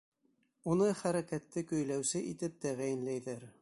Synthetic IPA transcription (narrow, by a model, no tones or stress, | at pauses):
unɤχæɾækæt̪ːɘkɵ̆jlæwsɘʔit̪ɘp̚t̪æʁæjɘ̆nlæjðæɾ